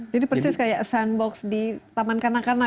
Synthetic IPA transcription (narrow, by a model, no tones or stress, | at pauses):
d͡ʒadipərsɪskajaʔsanbɔksdit̪amankanakana